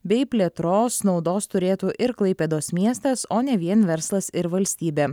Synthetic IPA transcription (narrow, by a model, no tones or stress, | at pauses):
bʲɛɪpʲlʲɛt̪ɾoːsnɒʊd̪oːst̪ʊɾʲeːt̪uːʔɪɾklˠɐɪpʲeːd̪oːsmʲiɛst̪ɐsoːnʲɛʋʲiɛnʋʲɛɾslˠɐsɪɾʋɐlʲsʲt̪ʲiːbʲeː